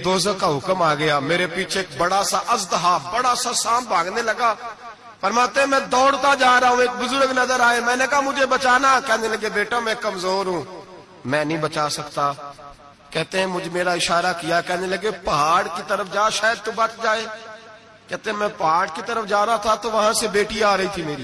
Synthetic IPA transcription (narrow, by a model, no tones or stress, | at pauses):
d̪oːzəkaːɦʊkəmaːɡɪjaːmeːɾepiːt͡ʃʰeeːk̚bəɽaːsaʔəzd̪əɦaːfbəɽaːsaːsãːmbʱaːɡneːləɡaː | pəɾmaːt̪eɦɛ̃ːmɛ̃ːd̪ɔːɽt̪aːd͡ʒaːɾaːɦũːeːk̚bʊzʊɾɡnəzəɾaːeːmɛ̃ːneːkamʊd͡ʒʱebət͡ʃaːnaːkɛːneləɡeːbeːʈaːmɛ̃ːkəmzoːɾɦũː | mɛ̃ːnɐɦĩːbət͡ʃaːsɐkt̪aː | kɛːɦt̪eɦɛ̃ːmʊd͡ʒʱemeːɾaɪʃaːɾakijaːkɛːɦneləɡeːpɐɦaːɽkit̪əɾəfʰd͡ʒaːʃaːjəd̪̚t̪obɐʈʰd͡ʒaːeː | kɛːt̪eɦɛ̃mɛ̃ːpɐɦaːɖkit̪əɾəfd͡ʒaːɾaat̪ʰat̪oʋɐɦãsebeːʈiaːɾɐɦit̪ʰimeːɾiː